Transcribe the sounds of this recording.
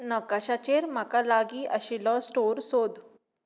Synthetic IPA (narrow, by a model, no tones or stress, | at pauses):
nəkaɕat͡ɕeɾm̤akalaɡiːʔəɕilɔsʈoɾsod̪